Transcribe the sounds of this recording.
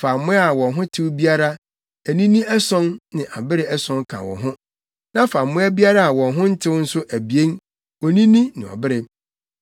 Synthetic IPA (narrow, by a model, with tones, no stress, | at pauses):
fa˨mːʊ̃˦a˨wɔ̃˨nɦʊ̃˦tʰɪ˦wbi˦a˦ɾa˦ | æ˨nĩ˦nĩ˦ɛ˦sɔ̃˦nnɪ̃˨ʔa˨bɪ˦ɾɪ˦ɛ˦sɔ̃˦ŋkʰã̰˨wɔ̰̃˨ɦʊ̃˦ | nã˦fa˨mːʊ̃˦æ˦bi˦a˦ɾa˦a˨wɔ̃˨nɦʊ̃˦n̩˦tʰɪ˦wn̩˦sʊ˦ʔæ˨bi˨ẽ˦n | ɔ˨nĩ˦nĩ˦nɪ̃˨ɔ̰˨bɪ˦ɾɪ˨